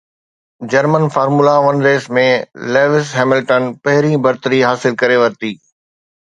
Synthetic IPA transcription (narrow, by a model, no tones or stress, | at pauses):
d͡ʑɐɾmənfaːɾmulaʋɐnɾeːsmẽleːʋɪsɦɛːmɪlʈənpɐɦɪɾĩbɐɾt̪əɾiɦaːsɪlkɐɾeʋɐɾt̪iː